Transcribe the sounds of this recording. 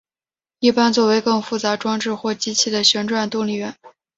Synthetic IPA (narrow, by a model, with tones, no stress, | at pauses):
i˥˩pa˥nt͡swɔ˥˩we˧˥ɪkɤ˥˧ŋfu˥˩t͡sa˧˥ʈ͡ʂwɑ˥ŋʈ͡ʂɻ̩˥˧xwɔ˥˩t͡ɕi˥t͡ɕʰi˥˩d̪ə˩ɕɥɛ˧˥nʈ͡ʂwa˥˩nt̪ʊ˥˧ŋli˥˩ɥɛ˧˥n